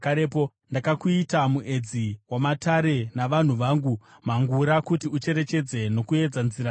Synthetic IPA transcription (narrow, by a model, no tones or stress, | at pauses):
kaɾepo | ndakakuitamuʔe̞d͡ziwamataɾe̞naʋan̤uʋaːŋɡu | maŋɡuɾakutiut͡ʃe̞ɾe̞t͡ʃe̞d͡ze̞no̞kue̞d͡zanziɾa